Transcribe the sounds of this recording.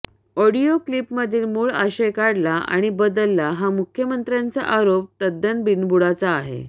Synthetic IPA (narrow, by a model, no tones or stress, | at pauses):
oɽioklipməd̪ʱiːlmuːɭa̰ɕekaɽlaa̰ɽ̃ibəd̪əlːaɦamukʰjəmənt̪ɾjant͡sa̰ʔaɾop̚t̪əd̪ʱːənbinbuɽat͡saːɦḛ